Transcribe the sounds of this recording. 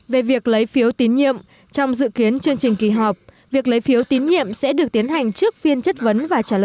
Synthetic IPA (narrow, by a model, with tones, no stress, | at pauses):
ve˨˩vi˨˩ək̚lə˨˦jfi˨˦əwt̪i˨˦nɲḭ˧˨əm | t͡ɕɔ˧wŋ͡mzɨ̰˧˨ki˨˦ənt͡ɕɨ˧əŋt͡ɕï˨˩ŋ̟ki˨˧˩ɦɔ˨˩p̚ | vi˨˩ək̚lə˨˦jfi˨˦əwt̪i˨˦ənɲḭ˧˨əmsɛ̰˧˥ɗɨ˨˩ək̚t̪i˨˦ənɦa˨˩jŋ̟t͡ɕɨ˦˥ək̚fi˧ənt͡ɕə˦˥t̚və˨˦nvaː˨˩t͡ɕaː˧˩ə˧˨